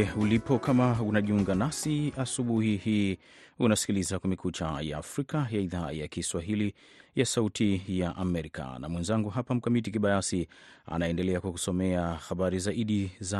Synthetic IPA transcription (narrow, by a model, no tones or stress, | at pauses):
ulipɔkʰamaunaʄiuŋɡanasiasuɓuhihiː | unasi̥kilizakwmɛkʰut͡ʃaja̰ːfɾikajaiðaːjakiswaɦili | jasautʰijaʔamɛɾika̰na̰mwɛnzaŋɡuɦapam̩kamitikiɓajasia̰naɛndɛlɛakwaku̥sɔmɛaxaɓaɾizaiɗiza